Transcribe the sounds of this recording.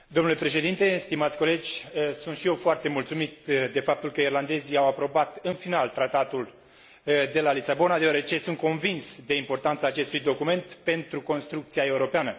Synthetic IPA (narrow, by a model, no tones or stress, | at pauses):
d̪omnule̞pɾe̞ʃe̞d̪int̪e̞st̪imat̪sʲko̞le̞d͡ʒʲsunt̪ʃije̞wfoart̪e̞mult̪sumit̪d̪e̞fap̚t̪ulkəirland̪e̞ziawapɾo̞bat̪ɨnfinalt̪ɾat̪at̪ul | d̪e̞lalisabo̞nad̪ewaɾe̞t͡ʃe̞sunt̪̚ko̞nvinsd̪e̞impo̞rt̪ant̪saːt͡ʃe̞st̪ujd̪o̞kume̞nt̪pe̞nt̪ɾuko̞nst̪ɾuk̚t̪siae̞uɾo̞peanə